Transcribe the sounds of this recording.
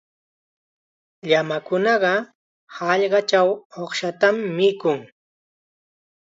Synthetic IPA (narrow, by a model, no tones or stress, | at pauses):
ʎamakʊnɑɢɑ | hɑʎɢɑt͡ʃawoχʃat̪amːɪkʊŋ